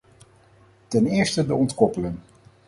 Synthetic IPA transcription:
tɛnɪːɹstədəɔntkɔpələn

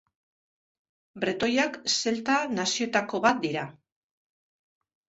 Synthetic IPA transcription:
bɾet̪o̞jakse̞lt̪anasio̞t̪ako̞βat̪̚d̪iɾa

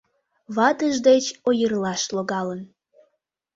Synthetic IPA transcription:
βɑt̪əʒd̪et͡ɕojərlɑʃloɣɑlən

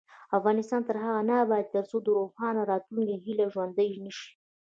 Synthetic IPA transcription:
afɣɑnɪst̪ɑnt̪əɾɦaɣanabɑjad̪̚t̪əɾt͡sod̪əɾofxɑnaɾɑt̪luŋkaɦilaʒwand̪əjnəʃi̥

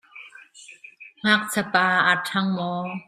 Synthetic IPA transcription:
ŋ̥ak̚t͡sʰapaːʔatʰaŋmɔː

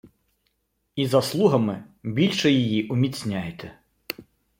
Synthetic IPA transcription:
izɐslˠuɦɐmɪbʲilʲʃɛjijiʔʊmʲit͡sʲnʲajet̪ʰɛ

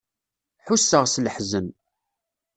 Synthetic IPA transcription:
ħusːəʁslħzən

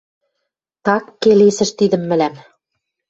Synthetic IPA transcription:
t̪ɑkːelesɘ̆ʃt̪id̪ɘ̆mːɘ̆læm

